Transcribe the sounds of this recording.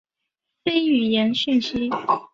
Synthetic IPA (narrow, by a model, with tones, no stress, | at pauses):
fe˥ɪy˨˩jɛ˧˥nɕy˥˩nɕi˥